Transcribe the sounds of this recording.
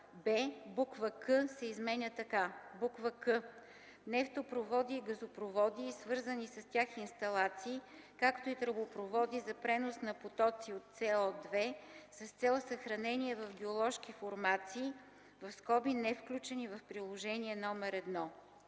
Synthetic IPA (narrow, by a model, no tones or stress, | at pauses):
bɛbukvəkɤsɛizmɛnʲət̪ɐkabukvəkɤ | nɛft̪opɾovɔd̪iːɡɐzopɾovɔd̪iːsvɤɾzənisɐst̪ʲaxːnst̪ɐlˠat̪siːkakt̪oit̪ɾəbopɾovɔd̪izɐpɾɛnosnɐpot̪ɔt̪siot̪sɛɔd̪vɛsɐst̪sɛlˠsɐxɾɐnɛniɛvɐfɡʲiolˠɔʃkifoɾmat̪siː | vɐfskɔbinɛfklʲut͡ʃɛnivɐfpɾilˠoʒɛniɛnɔmɛɾɛd̪nɔ